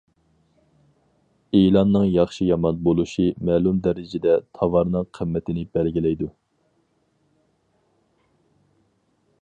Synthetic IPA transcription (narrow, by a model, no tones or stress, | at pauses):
eːlɑnːɨŋjɑχʃijɑmɑnbolˠuʃimɛːlumd̪ɛɾɪd͡ʒɪd̪ɛt̪ʰɑvɑɾnɨŋqʰəmːɛt̪ʰɪnɪbɛlɡʲilɛjd̪u